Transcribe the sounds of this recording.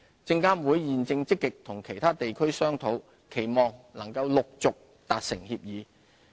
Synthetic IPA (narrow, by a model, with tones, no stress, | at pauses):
t͡sɪ˧ŋkaː˥nwuː˨˥jːiː˨nt͡sɪ˧ŋt͡sɪ˥kːɪ˨k̚t̪ʰʊ˨˩ŋkʰe˨˩jt̪ʰaː˥t̪e˨jkʰɵ˥ɥsœː˥ŋt̪ʰo˨˥w | kʰe˨˩jmɔː˨˩ŋlɐ˨˩ŋkɐ˧wlʊ˨k̚t͡sʊ˨k̚ | t̪aː˨t̚sɪ˨˩ŋhiː˧p̚jiː˨˧